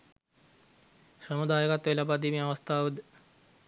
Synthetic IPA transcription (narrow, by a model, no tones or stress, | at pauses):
ʃəmud̪aːjəkat̪ʋelapad̪imĩaʋɐst̪ʰaːud̪